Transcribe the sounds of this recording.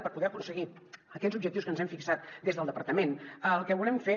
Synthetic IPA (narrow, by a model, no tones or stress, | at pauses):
pəɾpuðɛəkunsəɣiəkɛzubʒəkt̪iwskənzɛmfiksat̪̚d̪ezðəlˠd̪əpəɾt̪əmenəlˠkəβulɛmfe